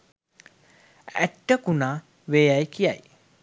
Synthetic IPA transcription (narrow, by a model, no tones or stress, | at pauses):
æ̰ʈːəkunaː | ʋeːjajkija̰j